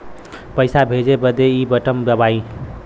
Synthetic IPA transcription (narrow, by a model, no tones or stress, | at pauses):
pəjsabʱed͡ʒebəd̪eibəʈəmbəbaĩ